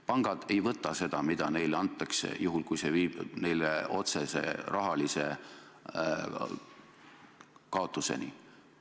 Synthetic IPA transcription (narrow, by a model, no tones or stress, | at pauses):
pɑŋɡ̥ɑd̪̥e̞jvɤt̪ːˑɑse̞d̪̥ɑmid̪̥ɑne̞jlɑnt̪ːˑɑksḛjuɦulkujse̞viːb̥ne̞jleo̞t̪se̞se̞̰rɑɦɑlise̞ | kɑo̞t̪ːˑuse̞̰ni